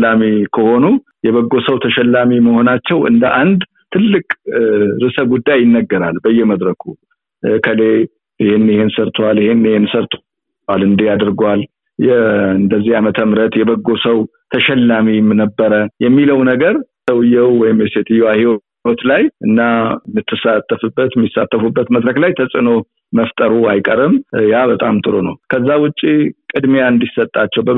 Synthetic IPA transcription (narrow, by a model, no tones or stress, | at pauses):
amikʰəho̞nu | jɛβəɡːo̞səwt̪ʰəʃɛlːamiməho̞nat͡ʃːɛwɨ̰nd̪əʔand̪ | t̪ʰɨlːɨkʼɾɨsəɡud̪ːajɪnːəɡːəɾalbəjːɛməd̪ɾəkʰu | kʰəle | ɪhenːihensəɾt̪ʰwaljɪhenːihensəɾt̪ʰ | alɨnd̪ijad̪ɨɾɡwal | jɛɨnd̪əzːihamət̪ʰəmɾət̪jɛbəɡːo̞səw | t̪ʰəʃɛlːamimnəbːəɾəjɛmːiləwnəɡəɾsəwɨjːɛwwɔjɪmjɛset̪ʰɨjɛwahiw | ot̪lajʔɨnːamːɨt̪ʰːɨsat̪ʰːəfɨbːət̪mːisa̰t̪ːəfubːət̪məd̪ɾəklajt̪ʰəsʼɨno | məft̪ʼəɾuajkʼəɾɨmjabət̪ʼamt̪ʼɨɾonəwkʰəzːawʊt͡ʃʼːikʼɨd̪meaɨnd̪isət̪ʼːat͡ʃːɛwbə